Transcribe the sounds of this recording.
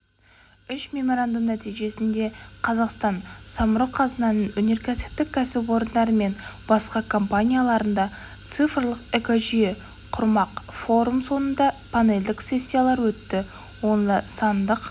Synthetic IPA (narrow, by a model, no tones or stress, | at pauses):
ʏʃmʲe̞mo̞ɾand̪əmnæt̪ijʒe̞sɪnd̪e̞qʰɑzɑqst̪ɑnsɑməɾoqʰɑzənɑnənɵne̞ɾkʲʰæsɪ̥p̚t̪ɪk̚ʲʰːæsɪpwo̞ɾənd̪ɑɾəme̞nbɑsqɑkʰo̞mpanʲijalˠɑɾənd̪ɑ | t̪sɨfrlˠəqekoʒije | qʰʊɾmɑqfo̞ɾumso̞nənd̪ɑpʰane̞ld̪ɪkse̞sʲːijalˠɑɾwɵt̪ːɪ | wo̞nəsɑnd̪əq